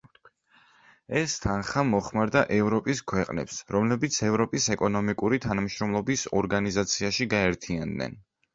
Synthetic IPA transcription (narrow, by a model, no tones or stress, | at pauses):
ɛst̪ʰanχamɔχmaɾd̪aʔɛvɾɔpʼiskʰwɛqʼnɛ̰psɾɔmlɛbit̪sʰɛvɾɔpʼisɛkʼɔnɔmikʼuɾit̪ʰanamʃɾɔmlˠɔbisɔɾɡanizat̪sʰiaʃiɡaɛɾt̪ʰiand̪nɛ̰n